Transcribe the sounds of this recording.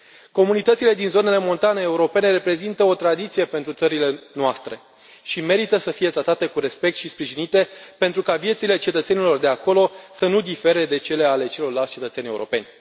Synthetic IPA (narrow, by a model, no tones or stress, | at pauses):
ko̞munit̪ət̪sile̞d̪inzo̞ne̞le̞mo̞nt̪aneːuɾo̞pe̞ne̞ɾe̞pɾe̞zint̪əo̞t̪ɾad̪it̪sije̞pe̞nt̪ɾut̪səɾile̞noast̪ɾe̞ | ʃime̞ɾit̪əsəfije̞t̪ɾat̪at̪e̞kuɾe̞spek̚t̪ʃispɾiʒinit̪e̞pe̞nt̪ɾukavijet̪sile̞t͡ʃe̞t̪ət̪se̞nilo̞rd̪e̞ako̞lo̞sənud̪ife̞ɾe̞d̪e̞t͡ʃe̞le̞ale̞t͡ʃe̞lo̞rlalt̪ʲt͡ʃe̞t̪ət̪senʲe̞ṵɾʔo̞̰pe̞nʲ